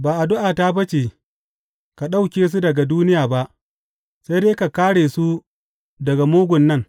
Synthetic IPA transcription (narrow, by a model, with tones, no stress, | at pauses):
baː˨ʔa˨dʊ˦ʔaː˨ta˦bɐ˦t͡ʃeː˨ | ka˨ɗa˦wkʲeː˨s̬u˦dɐ˨ɡa˨duː˦nɪ˦jaː˨ba˦ʔ | sa˦jdeː˦ka˨kaː˦ɽeː˨su˦ | dɐ˨ɡa˨moː˦ɡʷʊ˨nːɐ˦ŋ